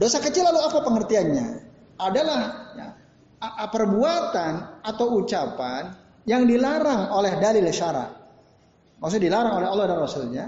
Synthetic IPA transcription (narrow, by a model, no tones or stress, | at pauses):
dosakət͡ʃɪlːaluapapəŋərt̪ianɲa | adalahja̰ | pərbuat̪anat̪awut͡ʃapan | jaŋdilaɾaŋolɛhdalɪlʃaɾa̰t̪̚ | mas̬ʊdilaɾaŋolɛɦɔlːɔhdanrɔsulɲa